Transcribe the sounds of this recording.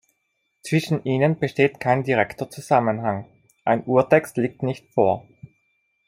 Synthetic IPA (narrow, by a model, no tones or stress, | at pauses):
t͡sv̥ɪʃn̩ʔiːnənb̥əʃteːtkʰaɪndiʁɛktɐt͡suzamənɦaŋ | ʔaɪnʔuːɐtʰɛkstliːk̚tnɪçtfoːɐ